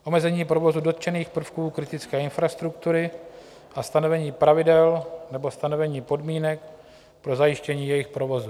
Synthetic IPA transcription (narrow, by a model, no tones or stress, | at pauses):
ʔo̞mɛzɛɲiːpɾo̞vo̞zudo̞t̪̚t͡ʃɛniːxpr̩fkuːkɾɪt̪ɪt͡skɛːɪnfɾast̪ɾukt̪uɾɪ | ʔast̪ano̞vɛɲiːpɾavɪdɛlnɛbo̞st̪ano̞vɛɲiːpo̞dmiːnɛk̚ | pɾo̞zajɪʃcɛɲiːjɛjɪxpɾo̞vo̞zu